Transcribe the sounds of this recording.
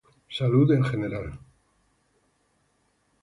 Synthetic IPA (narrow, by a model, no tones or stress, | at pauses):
saluðeŋxeneɾal